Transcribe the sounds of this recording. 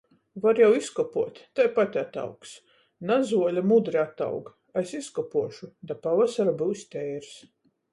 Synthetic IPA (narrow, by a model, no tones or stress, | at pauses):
vaɾjawiskɔpuɔt̪ʲt̪ajpat̪ʲat̪a̰wks | nazuɔlʲamud̪ɾiat̪a̰wɡ | esiskɔpuɔʃud̪apavasaɾabɨwsʲt̪ʲɛjɾs